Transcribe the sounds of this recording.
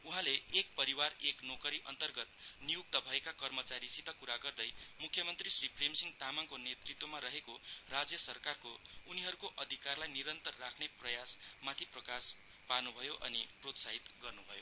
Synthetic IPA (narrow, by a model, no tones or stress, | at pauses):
uɦãleːk̚pʌɾiwareknokʌɾiʔʌnt̪ʌrɡʌt̪nijuk̚t̪ʌbʱʌekakʌrmʌt͡saɾisit̪ːʌkuɾaɡʌrd̪ʌjmukʰːjʌmʌnt̪risripʰremsiŋt̪amaŋkonet̪rit̪womaɾʌɦekorad͡zjʌsʌrkarkouniɦʌɾukoʔʌd̪ʱikarlajniɾʌnt̪ʌrːakʰneprʌjasmat̪ʰiprʌkas | panubʱʌjoʔʌ̰niprot̪saɦit̪ɡʌrnubʱʌjo